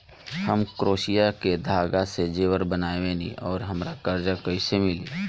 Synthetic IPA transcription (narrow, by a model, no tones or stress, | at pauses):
hɐmkɾoːʃijaked̪ʱaːɡased͡ʒeːwəɾbənaːewẽːnḭ̃ʔɔːɾɦɐmɾakɐɾd͡ʒakɐisemɪliː